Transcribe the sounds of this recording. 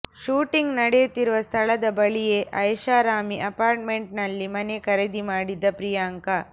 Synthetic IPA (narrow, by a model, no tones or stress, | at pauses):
ʃuːʈiŋɡnɐɽejut̪ːiɾuʋɐst̪ʰɐɭɐd̪ɐbɐɭijeʔɐjʃaːɾaːmiʔɐpaːɾʈ̚meɳʈ̚nɐlːimɐnekɐɾed̪imaːɽid̪ːɐpɾijaːŋkɐ